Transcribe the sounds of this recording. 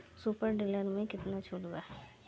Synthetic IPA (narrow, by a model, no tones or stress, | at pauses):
supəɾɖɪlaːnmẽkɪt̪nat͡ʃʰʊːɽd̪aːɛ